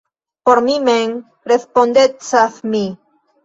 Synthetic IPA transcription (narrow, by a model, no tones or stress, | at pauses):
poɾmimeŋ | ɾespond̪et͡saθmi